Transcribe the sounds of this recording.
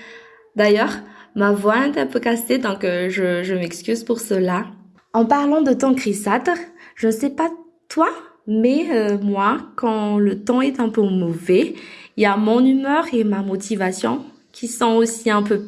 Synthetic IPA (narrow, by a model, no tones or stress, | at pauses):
d̪ajœːʁmavwaɛt̪ɛ̃pøkased̪ɔ̃kʒəʒəmɛkskʲyzpuʁsəla | ɑ̃paʁlɑ̃d̪ət̪ɑ̃kχisat̪ʒ̥ənəsɛpa | t̪wamɛømwakɑ̃lət̪ɑ̃ɛt̪ɛ̃pømɔvɛiljamɔ̃nymœʁemamɔt̪ʰivasjɔ̰̃ | kʲʰisɔ̃osiɛ̃pø